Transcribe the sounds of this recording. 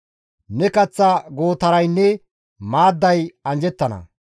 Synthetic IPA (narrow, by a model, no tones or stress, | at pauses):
nɛkɐt͡sːɐɡo̞ːt̪ɐɾɐjnːɛ | maːd̪ːɐjɐnd͡ʒɛt̪ːɐnɐ̰